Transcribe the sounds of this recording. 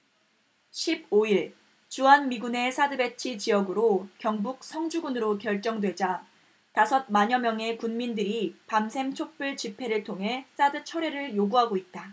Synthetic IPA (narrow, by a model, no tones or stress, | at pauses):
ɕʰib̚oiɭ | t͡ɕuanmiɡune̞s͈ʰadɯbe̞t͡ɕʰit͡ɕiʌɡɯɾokjʌŋbuk̚s͈ʰʌŋd͡ʑuɡunɯɾokjʌɭt͡ɕ͈ʌŋdwe̞d͡ʑa | tasʰʌt̚maɲʌmjʌŋe̞kunmindɯɾipamsʰe̞mt͡ɕʰok̚p͈uɭt͡ɕipʰe̞ɾɯɭtʰoŋɦe̞s͈adɯt͡ɕʰʌɾe̞ɾɯɭjoɡuɦaɡoit̚t͈a